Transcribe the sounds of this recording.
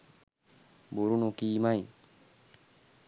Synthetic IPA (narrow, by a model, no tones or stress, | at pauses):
buɾunukiːmaj